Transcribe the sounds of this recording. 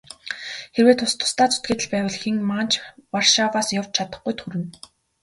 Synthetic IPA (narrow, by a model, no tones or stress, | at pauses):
xeɾweːt̪ʰʊst̪ʰːʊ̥st̪aːt͡sʊ̥t̪̚ɡeːt̪ɘ̆ɮpæːwə̆ɮxiŋmaːn̥t͡ɕʰwarʃawaːsjaw̥t͡ɕt͡ɕʰat̪ə̆χɡujt̪ʰxuɾɘ̆n